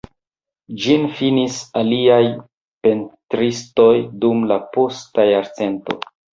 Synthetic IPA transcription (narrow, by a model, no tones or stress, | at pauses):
d͡ʒinfinisaliaj | pe̞ntɾisto̞jdumlapo̞stajaɾt͡se̞nto̞̰